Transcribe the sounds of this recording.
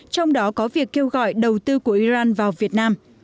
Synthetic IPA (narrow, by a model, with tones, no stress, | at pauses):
t͡ɕɔ˧wŋ͡mɗɔ˨˦kɔ˨˦vi˨˩əkːe˧wɣɔ̰˧˨jɗə˨˩wt̪ɨ˧ku˧˩əʔi˧zaː˧nvaː˨˩wvi˨˩ət̚naː˧m